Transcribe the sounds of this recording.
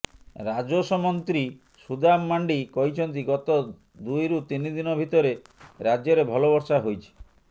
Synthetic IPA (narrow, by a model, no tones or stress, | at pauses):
ɾad͡ʒosɔmɔnt̪ɾi | sud̪amːaɳɖikɔɦit͡ʃʰɔnt̪̬iɡɔt̪ɔ | d̪ujɾut̪inid̪inɔbʱit̪ɔɾeɾad͡ʒjɔɾebʱɔloβɔɾsaɦojt͡ʃʰi̥